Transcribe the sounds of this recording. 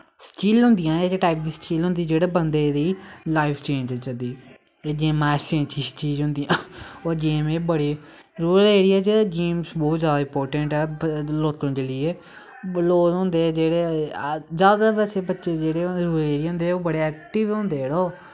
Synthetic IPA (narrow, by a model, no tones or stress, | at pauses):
sʈiːlɦʊ̃nd̪ɪjãːeʈaːɪp̚d̪iːsʈiːlɦʊ̃nd̪iːd͡ʒeːɽeːbənd̪eːd̪iːlaːɪpʰt͡ʃẽːɲd͡ʒt͡ʃəd̪iː | ed͡ʒẽːmɛːsẽt͡ʃʰiːst͡ʃiːd͡ʒɦʊ̃nd̪ijãːoːd͡ʒeːmeːbəɽiː | ɾuːəleːɽiaːd͡ʒed͡ʒeːmsbɔːt̪zjaːd̪aːɪ̃mpoːɾʈəɳʈɦɛːloːt̪õːd͡ʒeːlieː | loːzɦõnd̪eːd͡ʒeːɽeːzjaːd̪aːbɛːseːbətːʃeːd͡ʒeːɽeːɾuːɾəleːɾijːɦʊ̃nd̪eoːbəɽeːɛːk̚ʈɪʋɦʊ̃nd̪eːɽoː